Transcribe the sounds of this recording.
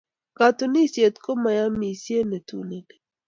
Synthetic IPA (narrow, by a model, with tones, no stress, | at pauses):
ka˨t̪uni˦sje˨t̪ko˦ma˨ja˦mi˨si˦e˦ne˨t̪ṵ˨ne˨d